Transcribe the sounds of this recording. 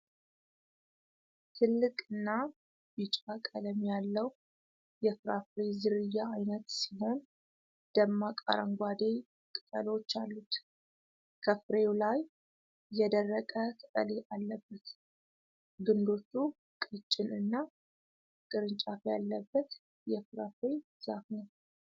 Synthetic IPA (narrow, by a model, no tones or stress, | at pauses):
t̪ʰɨlːɨkʼɨnːa | bit͡ʃʼakʼələmjalːəw | jɛfɾafɾezɨɾɨjːaːjnət̪siɦo̞n | d̪̥əmːakʼa̰ɾə̰ŋɡʷad̪e | kʼɨt̪ʼəlwot͡ʃːalːut̪ | kʰəfɾewlajː | ɛd̪ərːəkʼəkʼɨt̪ʼəleʔalːəbːət̪ | ɡɨnd̪o̞t̪ʰːu | kʼɨt͡ʃʼːɪnʔɨnːa | kʼɨɾɨnt͡ʃʼafja̰lːəbːət̪ | jɛfɾafɾe | z̥afnəw